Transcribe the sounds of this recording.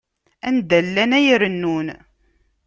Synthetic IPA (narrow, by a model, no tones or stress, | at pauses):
ænd̪ælːænæjəɾənːun